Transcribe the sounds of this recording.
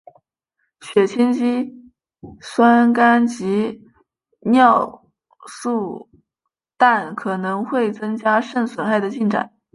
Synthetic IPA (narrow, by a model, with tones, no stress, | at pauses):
ɕɥɛ˨˩t͡ɕʰi˥nt͡ɕi˥ | swa˥nka˥nt͡ɕi˧˥ | njɑ˥˧ʊ | su˥˧ | t̪a˥˩nkʰɤ˨˩nɤ˧˥ŋxwe˥˩ɪt͡sɤ˥ŋt͡ɕja˥ʂə˥˩nswə˧˥nxa˥˩ɪd̪ə˩t͡ɕi˥˩nʈ͡ʂa̰˨˩˦n